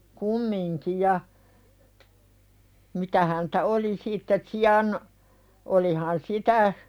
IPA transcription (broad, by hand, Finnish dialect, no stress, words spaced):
kumːiŋki jɑ mitæ hæntæ oli sitːe siɑn olihɑn sitæ